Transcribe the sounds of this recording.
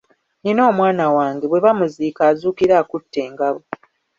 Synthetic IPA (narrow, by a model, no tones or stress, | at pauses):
ɲino̞ːmwaːnawaːŋɡe̞βwe̞βamuziːkaːzuːkiɾaːkutːe̞ːŋɡaβo